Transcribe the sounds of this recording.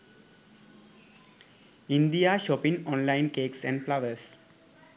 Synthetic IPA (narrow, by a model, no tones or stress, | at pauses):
ĩnd̪iaʃɔːpɪ̃ŋɔ̃ːnlãɪ̃nkeːksɛ̃ɳɖplaʋəɾs